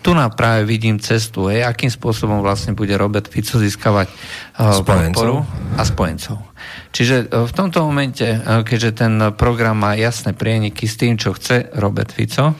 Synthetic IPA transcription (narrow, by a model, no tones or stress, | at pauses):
t̪unapɾaːʋɛʋiɟiːmt͡sɛs̬t̪uɦɛjakiːmspʊɔsɔbɔmʋlasɲɛbuɟɛɾɔbɛɾt̪fit͡sɔziːskaʋac | pɔt̪pɔɾuaspɔjɛ̰nt͡sɔʊ | t͡ʃiʒɛft̪ɔmt̪ɔmɔmɛncɛkɛʒɛt̪ɛnpɾɔɡɾamːaːjasnɛpɾɪɛɲikist̪iːmt͡ʃɔxt͡sɛɾɔbɛ̰ɾt̪fḭt͡sɔ